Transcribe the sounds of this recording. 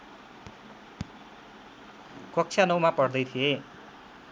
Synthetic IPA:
kʌk̚t͡sʰjanʌwmapʌrd̪ʌjt̪ʰie

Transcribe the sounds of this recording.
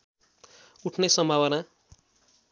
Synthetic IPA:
uʈʰnesʌmbʱawʌna

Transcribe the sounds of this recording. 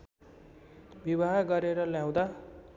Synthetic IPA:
bibaɦɡʌɾeɾʌljãw̃d̪a

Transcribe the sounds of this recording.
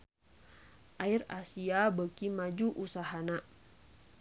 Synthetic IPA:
ʔaira̰siabəkimad͡ʒuʔusaɦana

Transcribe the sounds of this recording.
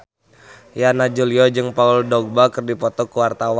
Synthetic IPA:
janad͡ʒuliɔd͡ʒɨŋpauldɔɡ̚bakɨrdipɔt̪ɔkuwart̪awa

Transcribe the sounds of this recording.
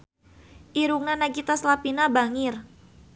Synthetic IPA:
ʔiɾuk̚nanaɡit̪aslapinabaŋir

